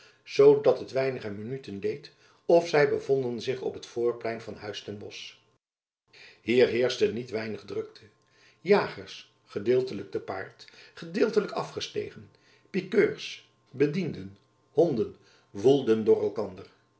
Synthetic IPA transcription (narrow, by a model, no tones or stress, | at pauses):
z̥owdɑtɦətʋɛjnəχəmənytəndejt | ɔfsɛjbəvɔndənzɪχɔ̰pɦətfʊːɹplɛjnvɑnɦœɥstɛnbɔs | ɦiːɹɦɪːɹstənːitʋɛjnəχdrɵk̚tʰə | jaːχəɹs | χədɪːlˠtələɡ̚dəpa̰ːɹtχədɪːlˠtələkɑfχəstḛjχən | pikøːɹs | bədindən | hɔndən | vulˠdəndʊːrɛlˠkɑndəɹ